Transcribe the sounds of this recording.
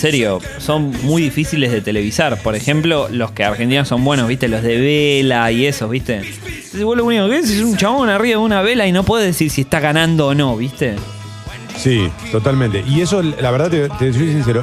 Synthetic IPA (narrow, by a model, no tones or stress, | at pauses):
seɾjo | so̞nmujðifisile̞zðet̪ele̞βisaɾpoɾexemplolo̞skeaɾxent̪inaso̞mbwe̞noβiht̪e̞lo̞zðeβelaiesoβit̪e | seseβolounikokees̬esunt͡ʃaβonariβaunaβelainopwe̞ðeðesiɾsiest̪aɣanãnd̪oːno̞βist̪e | sit̪ot̪almẽnt̪eʔiesolaβeɾðat̪et̪esos̬ins̬eɾo